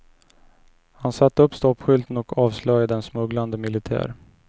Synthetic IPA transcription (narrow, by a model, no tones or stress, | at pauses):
hansat̪ːəɵpːst̪ɔpɧʏlt̪nɔkʰɑːvslœjad̪ɛnsmɵɡland̪əmɪlɪt̪ʰæ̰ːɾ